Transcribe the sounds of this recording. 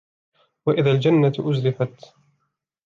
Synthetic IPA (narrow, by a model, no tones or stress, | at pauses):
waʔɪðaːld͡ʒanːat̪ʔʊzɾɪfat̪